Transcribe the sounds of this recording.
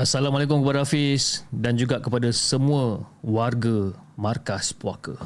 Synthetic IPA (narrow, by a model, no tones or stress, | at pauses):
asalamalaek̬ʊmkəpadaafisdand͡ʒuɡaʔkəpadasəmũə̃warɡə | mãrkaspuakə